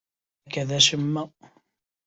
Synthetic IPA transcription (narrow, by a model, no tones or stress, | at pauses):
kaðaʃɪmːa